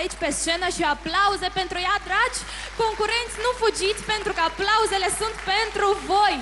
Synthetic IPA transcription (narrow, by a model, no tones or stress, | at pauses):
ejt͡ʃpest͡ʃẽnɐʃiaplawzɛpẽnt̪ɾujad̪ɾat͡ʃ | kõŋkuɾẽnt̪ɪsnũfud͡ʒit̪pẽnt̪ɾukaplawzelɛsũnt̪pẽnt̪ɾʊvoj